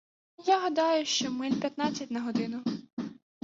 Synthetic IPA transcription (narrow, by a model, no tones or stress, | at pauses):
jaɦɐd̪ɑjʊʃt͡ʃɔmɪlʲpʲjɐt̪nɑt͡sʲːɐtʲnɐɦɔd̪ɪnʊ